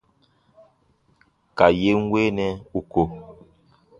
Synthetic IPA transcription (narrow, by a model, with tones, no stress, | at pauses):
ka˨je˦ŋ˦weː˦nɛ˦u˨ko˨